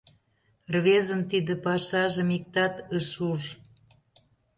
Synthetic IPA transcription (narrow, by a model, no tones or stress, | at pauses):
rβezənt̪id̪ə̆pɑʃɑʒə̆mik̚t̪ɑt̪əʃuʒ